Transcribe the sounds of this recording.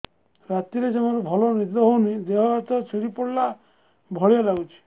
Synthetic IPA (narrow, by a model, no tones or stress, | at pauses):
ɾat̪iɾed͡ʒemɔɾubʱɔlɔnid̪ɔɦownid̪eɦɔɦet̪ɔt͡ʃʰiɽipɔɽla | bʱɔɭijɔlaɡut͡ʃʰi̥